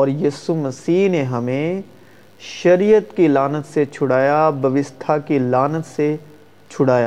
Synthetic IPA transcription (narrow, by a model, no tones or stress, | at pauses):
ɔːɾjiːsumɐsiːɦneɦɐmẽ | ʃɐɾijət̪kilaːnət̪set͡ʃʰʊɽaːjabʱɐʋɪst̪ʰakilaːnət̪se | t͡ʃʰʊɽaːjaː